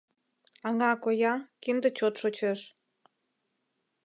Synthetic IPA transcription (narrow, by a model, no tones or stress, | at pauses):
ɑŋɑkojɑkind̪ə̆t͡ɕot̪ʃot͡ɕeʃ